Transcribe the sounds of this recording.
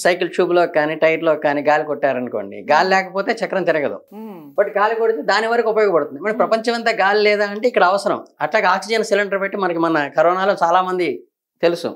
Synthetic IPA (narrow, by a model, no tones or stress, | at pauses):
sɐjkilt͡ʃuːbloːkːaːniːʈɐjʈloːkːaːniːɡaːlikoʈːaːɾɐnkoːɳɖḭɡaːlilɛːkɐpo̞ːt̪e̞ːt͡ʃɐkːɾɐmt̪iɾɐɡɐd̪ṵ | bɐʈɡaːlikoɽit̪eːd̪aːniʋaːɾɐkiupɐjɔːɡɐpɐɽt̪und̪imɐɽipɾɐpɐɲt͡ʃɐmɐnt̪ɐːɡaːlilɛːd̪aːɐɳʈeːikːɐɽɐɐʋɐsɐɾɐ̰mɐʈlaːɡɐaːksid͡ʒɐnsilɐɳɖɐɾbeʈːimɐnɐkimɐnɐkɐɾɔːnaːloːt͡ʃaːlaːmɐnd̪i | t̪e̞lusṵ